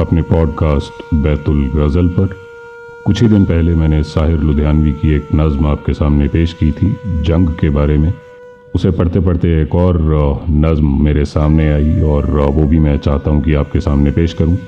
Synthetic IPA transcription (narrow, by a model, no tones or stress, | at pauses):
ɐpnepɔːɖkaːsʈbɛːt̪ʊlɾɐzəlpɐɾ | kʊt͡ʃʰid̪ɪnpɛɦlemɛ̃ːnesaːɦɪɾlʊd̪ʱjaːnʋikieːknɐzmaːp̚kesaːmnepeːʃkiːt̪ʰid͡ʒɐ̃ŋɡkebaːɾemẽ | ʊsepɐɽ̤t̪epɐɽt̪eeːkɔːɾnɐzmːeːɾesaːmneaːiɔːɾʋobʱimɛ̃t͡ʃaːɦt̪aɦũkiaːp̚kesaːmnepeːʃkɐɾũː